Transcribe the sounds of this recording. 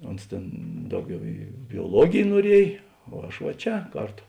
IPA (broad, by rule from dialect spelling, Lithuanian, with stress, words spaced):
ˈoːns tʲeːn ˈdɐʊˌɡʲɛʊ iː bʲoːˈlˠuɔɡʲeːj nuɔˈrʲiɛj oː ˈɐʃ ʋɐ ˈt͡ʃʲɛ ˈkɐrˌtoː